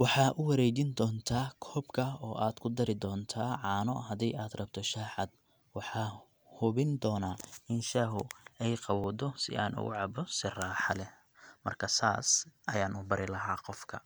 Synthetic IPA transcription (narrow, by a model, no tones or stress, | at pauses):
wɑħɑːʔʊwɐɾɛːt͡ʃɪnd̪ɔːnt̪ʰaːkʰɔːbkʰɐɔːʔaːd̪kʰʊd̪ɐɾɪd̪ɔːnt̪ʰaːʕɑːnɔ̰hɐd̪ɛjaːd̪rɐb̚t̪ʰɔʃaːħɑd̪ | wɑħɑː | hʊβɪnd̪ɔːnaːɪnʃaːɦʊɛjqɑwɔːd̪ɔsɪ̰ʔa̰ːnʔʊ̰ɣʊ̰ʕɑbɔsɪraːħɑlɛ | mɐ̰rkʰɐsa̰ːsʔɐjaːnʊbɐɾɪlɐɦaːqɔfkʰɐ̰